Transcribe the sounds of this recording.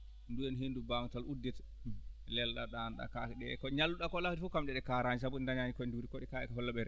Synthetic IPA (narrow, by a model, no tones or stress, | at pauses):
nduɛnɦindubaŋtalʔudːɛt | lɛlːa̰ɗanɗa̰kakɗɛkɔɲalːuɗakɔlaktifukamd͡ʒɛɗɛkaɾaɲis̬abuɗindaɲaɲikɔnduɾikɔɗikaɛ̰kɔɦɔlːaɓɛɾ